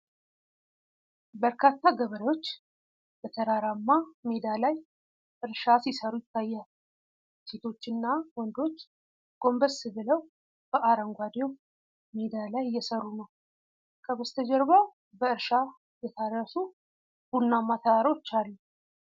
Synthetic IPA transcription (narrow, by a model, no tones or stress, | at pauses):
bəɾkʰat̪ʰːaɡəβəɾəwo̞t͡ʃː | bət̪ʰəɾaɾamːamed̪alaj | ʔɨɾʃasisəɾujɪt̪ʰːajːal | set̪ʰo̞t͡ʃːɨnːawɔnd̪o̞t͡ʃː | ɡ̥o̞mbəssɨβɨləw | b̥əʔaɾəŋɡʷwad̪ew | med̪alajjːɛsəɾːunəw | kʰəβəst̪ʰəd͡ʒɛɾβa | bəɨɾʃa | jɛt̪ʰarːəsu | b̥unːamːat̪ʰəɾaɾo̞t͡ʃːalːu